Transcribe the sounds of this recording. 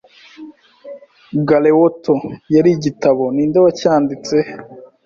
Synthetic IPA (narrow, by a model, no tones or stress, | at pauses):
ɡalewotojaɾiɟitaβo̞niːndoβacaːndit͡se